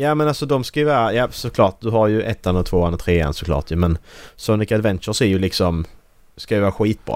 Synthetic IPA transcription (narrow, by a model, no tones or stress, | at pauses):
jaːmɛnalsɔd̪ɔmskajɵvɑːɾajɑːsɔkʰlɑːʈ̚d̪ɵɦaɾjɵʔɛt̪ːanɔt̪ʰvoːanɔt̪ʰɾeːɛ̰nsɔklɑ̰ːʈjʉmɛnsɔnɪkad̪vɛnt̪ʃəɾsæɾjɵlɪksɔm | skajɵvɑːɾaɧiːt̪̚bɾɑ̰ː